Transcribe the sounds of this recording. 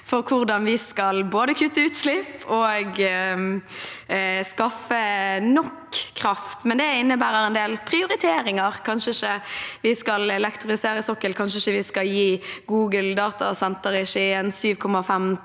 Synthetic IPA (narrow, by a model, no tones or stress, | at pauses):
fɔʁkʰʊʁd̪ɑnʋɪskɑlboːd̪əkʰʉt̪ːəʉːt̪slɪpoːɡ | skɑfənɔkʰːʁɑft̪mɛnd̪ɛɪnːəbæːʁəʁɛnd̪eːlpʰʁɪʊʁɪt̪ʰeːɾɪŋəʁkʰɑnʃəɪçəʋɪskɑlɛlɛkt̪ʁʊfɪseːɾəsɔkːəlkʰɑnʂəɪçəʋɪskɑljiːɡuːɡəld̪ɑːt̪ɑ̰sɛnt̪əʁɪʃiɛːnsyːʋkʰɔmːɑfɛm